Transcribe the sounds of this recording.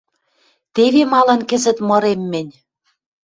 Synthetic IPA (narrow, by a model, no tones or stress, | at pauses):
t̪eβemɑlɤ̆nkɘ̆zɘ̆t̪mɤ̆ɾemːɘ̆nʲ